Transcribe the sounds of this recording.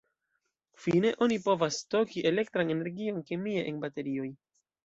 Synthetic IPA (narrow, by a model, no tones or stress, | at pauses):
fine̞ʔo̞nipo̞vasto̞kiʔe̞le̞k̚tɾane̞ne̞ɾɡio̞nkemie̞ʔenbate̞ɾio̞j